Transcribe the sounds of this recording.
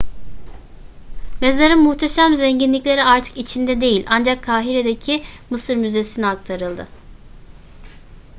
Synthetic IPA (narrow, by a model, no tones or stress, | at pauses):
me̞zaɾɯnmuht̪ʰeʃamzɛɲɟinlʲiclʲe̞ɾiaɾt̪ʰɯ̥kit͡ʃʰind̪ɛd̪e̞jilʲʔand͡ʒakʰːaːɦiɾed̪e̞cʰimɯsɯɾmyze̞siniak̚t̪ʰaɾɯlˠd̪ɯ̰